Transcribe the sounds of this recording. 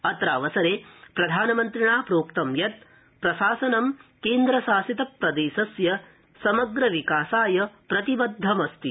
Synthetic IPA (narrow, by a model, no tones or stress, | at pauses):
ɐt̪ɾaːʋɐsɐɾeːpɾɐd̪ʱaːnɐmɐnt̪ɾiɳaːpɾoːkt̪ɐmjɐt̪̚ | pɾɐsaːsɐnɐmkeːnd̪ɾɐʃaːsit̪ɐpɾɐd̪eːsɐsjɐ | sɐmɐɡɾɐʋikaːsaːjɐpɾɐt̪ibɐd̪ʱːɐmɐst̪i